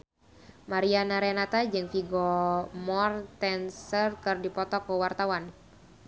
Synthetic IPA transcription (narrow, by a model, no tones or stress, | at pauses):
maɾianaɾenat̪ad͡ʒɨŋfiɡɔmɔrt̪ɛnsərkɨrdipɔt̪ɔkəwart̪awan